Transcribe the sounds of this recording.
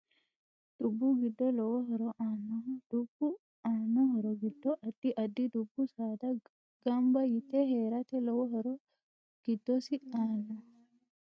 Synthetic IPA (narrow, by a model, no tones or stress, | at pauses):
d̪̥ubːuɡidːɔlɔwɔɦɔɾɔʔanɔd̥ubu | anɔhɔɾɔɡidːɔʔadːiʔadːid̪ubːusad̪a | ɡambajit̪ɛhɛɾat̪ɛlɔwɔɦɔɾɔ | ɡ̥idːɔsianɔ